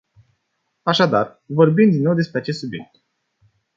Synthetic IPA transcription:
aʃad̪ar | vo̞rbimd̪inːo̞wd̪e̞spɾeat͡ʃe̞st̪subje̞k̚t̪̚

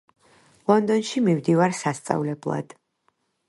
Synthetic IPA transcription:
lˠɔnd̪ɔnʃimimd̪ivaɾsast̪sʼa̰vlɛblˠa̰d̪̥

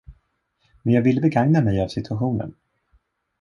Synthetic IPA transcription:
mɛnjaːɡvɪlːəbɛɡaŋnamɛjavsɪt̪ʰɵaɧuːnə̰n

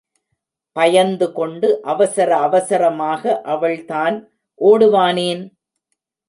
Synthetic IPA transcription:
pɐjɐnd̪ɯkɔɳɖɯʔɐʋɐsɐɾɐːʋɐsɐɾɐmaːɣɐʔɐʋɐɭt̪aːn | ʔoːɽɯʋaːneːn

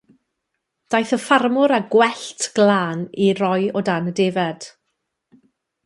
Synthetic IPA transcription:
d̥ajθəfarmʊɾaɡwɛɬtʰɡ̥lˠaːnirɔjɔdanədevɛd̥

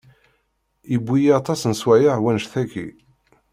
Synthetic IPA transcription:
əbːijiɑt̪ˤɑsnswæjaʕwænʃθækːḭ

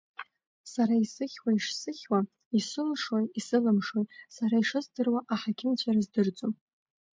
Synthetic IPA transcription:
saɾaisɨχʲwaiʂsɨχʲwa | isɨlʂwajisɨlɨmʂwojsaɾaiʂɨzdɨrwaʔaħakʲʰɪnt͡ɕʷʰaɾazdɨrd͡zʼom

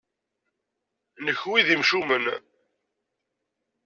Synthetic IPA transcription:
nəçwiðimʃumən

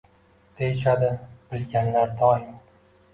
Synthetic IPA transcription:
d̪̥ejɪʃad̪ɪb̥ɪlɡʲanlaɾd̪ɒjɪm

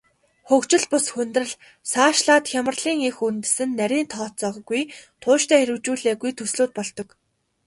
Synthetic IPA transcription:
xɵkt͡ɕɪ̆ɮpʊsxɵnt̪rɘ̆ɮ | saːʃɮaːt̪xʲjamə̆rɮiːŋexunt̪ɘ̆sɘ̆nːæɾʲiːnt̪ʰɔːt͡sɔːʁɡujt̪ʰʊːʃt̪ʰæːxeɾɘ̆wt͡ɕuːɮeːɣujt̪ʰɵsɮuːt̪̚pɔɮt̪ɞ̆k

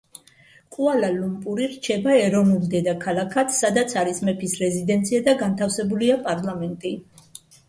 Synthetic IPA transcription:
kʼualalumpʼuɾiɾt͡ʃʰɛbaɛɾɔvnulˠd̪ɛd̪akʰalakʰat̪sad̪at̪sʰaɾismɛpʰisɾɛzid̪ɛnt̪sʰiad̪aɡant̪ʰafsɛbuliapʼaɾlˠamɛnt̪ʼi

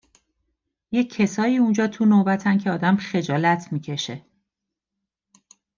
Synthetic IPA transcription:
je̞cʰːe̞sɒːiːund͡ʒɒːt̪ʰunobæt̪ʰæncʰeɒːd̪æmχe̞d͡ʒɒːlæt̪ʰmiːcʰe̞ʃe̞

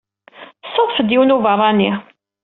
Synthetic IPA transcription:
sʊðˤfəd̪jiwnuvərˤːɑnːi

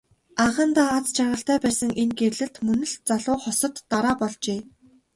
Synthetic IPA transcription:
aʁə̆nt̪aːt͡st͡ɕʰarʁə̆ɬt̪æːpæːsə̆ŋʔenɡerɮɘ̆ɬt̪mɵnɵ̆ɮt͡saɮʊːχɔsɞ̆t̪ːaɾaːpɔɮt͡ɕeː

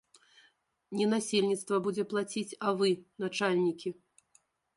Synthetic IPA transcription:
nʲɛnasʲelʲnʲit̪st̪vɐbud͡zʲɛplˠat͡sʲit͡sʲɐvɨnat͡ʂalʲnʲikʲi

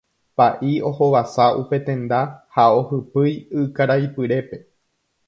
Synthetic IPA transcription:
paʔio̞ho̞ʋasaʔupe̞t̪ẽ̞nd̪ahao̞hɨpɨjɨkaɾajpɨɾe̞pe̞

